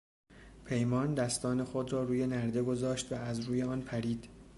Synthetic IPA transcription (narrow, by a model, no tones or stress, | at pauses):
pʰe̞jmɒːnd̪æst̪ɒːne̞xo̞d̪rɒːɾuːje̞næɾd̪e̞ɡo̞zɒːʃt̪væːzɾuːjeɒːnpʰæɾiːd̪